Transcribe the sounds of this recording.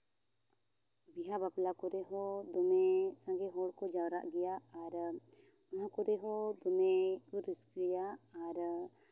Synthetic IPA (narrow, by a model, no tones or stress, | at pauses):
biɦabaplakɔɾɛɦɔd̪ɔmɛsãɡɛɦɔɽkɔd͡ʒawɾa̰ʔɡɛjaaɾ | naɦakɔɾɛɦɔd̪ɔmɛɔɾisɡɛjaːɾ